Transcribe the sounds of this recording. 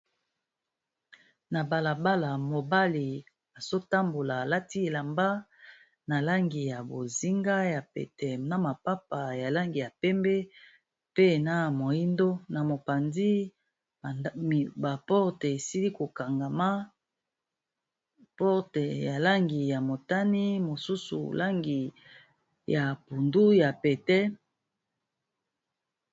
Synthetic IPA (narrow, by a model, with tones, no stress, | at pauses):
na˨ba˨la˨ba˦la˨mo˨ba˦li˨ | a˨z̥o˦ta˦mbo˨la˨la˦ti˦e˨la˨mba˦ | na˨la˦ŋɡi˨ja˨bo˨zi˦ŋɡa˦ja˨pḛ˨tɛ˨na˨ma˨pa˦pa˨ja˨la˦ŋɡi˨ja˨pɛ˦mbɛ˦ | pe˦na˨mo˨i˦ndo˦na˨mo˨pa˨ndi˦˨ | ba˨pɔ˦ʁte˨e˨si˦li˦ko˨ka˨ŋɡa˨ma˦ | pɔ˦ʁte˨ja˨la˦ŋɡi˨ja˨mo˨ta˦ni˦mo˨su˦sṵ˨la˦ŋɡi˨ | ja˨pu˨ndu˦ja˨pɛ˨tɛ˦